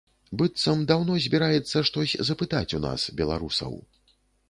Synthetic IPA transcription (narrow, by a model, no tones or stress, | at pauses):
bɨt̪sɐmd̪awnɔzʲbʲiɾajɛt̪sːɐʂt̪ɔsʲzɐpɨt̪at͡sʲuna̰sbʲɛlˠa̰ɾusɐ̰w